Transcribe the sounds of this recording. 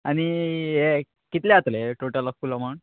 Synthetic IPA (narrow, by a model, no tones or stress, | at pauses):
añije | kit̪leat̪leʈoʈəlɔkfuːləmaɳ